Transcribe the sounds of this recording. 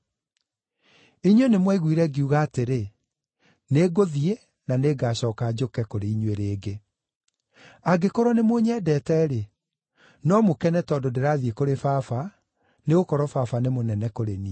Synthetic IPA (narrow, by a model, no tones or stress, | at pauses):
iɲwenemwɛiɣwiɾɛɡeuɣaːteɾe | neɡoðie | naneɡaːɕɔːkad͡ʑokɛkoɾeiɲweɾeːɡe | aɡekoɾwɔnemoɲɛːdɛːtɛːɾe | nɔmokɛnɛtɔdodeɾaːðiekoɾefafa | neɣokɔɾɔfafanemonɛnɛkoɾeni